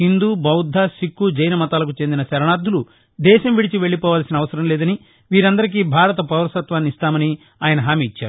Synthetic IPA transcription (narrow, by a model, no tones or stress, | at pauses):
hind̪uːbɐwd̪ʱːaːsikːud͡ʒɐjnɐmɐt̪aːlɐkut͡ʃend̪inɐsɐɾɐɳaːd̪ʱːulu | d̪ɛːʃɐmʋiɽit͡ʃiʋe̞ɭːipɔːʋaːlsinɐːʋɐsɐɾɐmlɛːd̪ɐni | ʋiːɾɐnd̪ɐɾik̬iːbʱaːɾɐt̪ɐpɐʋɐɾɐsɐt̪ʋaːnːist̪aːmɐni | aːjɐnɐɦaːmiːit͡ʃːaːɾu